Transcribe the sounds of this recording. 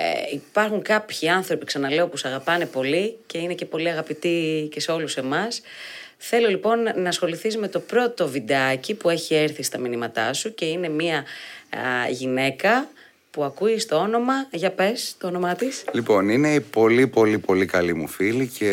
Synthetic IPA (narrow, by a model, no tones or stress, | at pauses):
ḛipɐɾxuŋkɐpçiɐnθɾo̞piksɐnɐle̞o̞pusɐɣɐpɐne̞po̞lice̞ine̞ce̞po̞liɐɣɐpit̪ice̞seo̞luse̞mɐs | θe̞lo̞lipo̞nːɐːsxo̞liθisme̞t̪o̞pɾo̞t̪o̞vid̪eɐcipue̞çieɾθist̪ɐminimɐt̪ɐ̰suce̞ine̞miɐ | ʝine̞kɐ | puɐkuist̪oo̞no̞mɐʝɐpe̞st̪oono̞mɐt̪islipo̞nine̞ipo̞lipo̞lipo̞likɐlimṵfilice